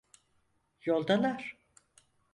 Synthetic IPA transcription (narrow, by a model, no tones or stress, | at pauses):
jolˠd̪anaɾ̥